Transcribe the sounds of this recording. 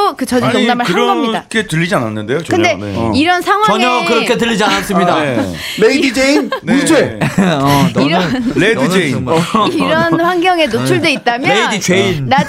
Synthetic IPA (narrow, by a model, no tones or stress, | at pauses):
okɯt͡ɕʌd͡ʑioŋnamɯɭhaɾɡʌmɲidakʰe̞tɯʎːid͡ʑiana̰nːɯnde̞jokɯnde̞iɾʌnsʰaŋɦwaʌɲʌkɯɾʌkʰe̞t̬ɯʎːid͡ʑianas͈ɯmɲidae | leidid͡ʑeinud͡ʑeʌniɾʌledɯd͡ʑeiniɾʌnɸwaŋɡjʌŋe̞not͡ɕʰuɭdeit̚t͈amjjʌleidit͡ɕeinna